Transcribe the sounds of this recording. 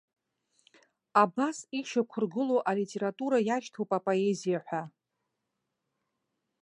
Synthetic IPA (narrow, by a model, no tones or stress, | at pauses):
abasiʃakʷʰʊrɡɨloʔalitʼe̞ɾatʼuɾajaʃtʰowpʼapʼo̞e̞zijaħʷᶣa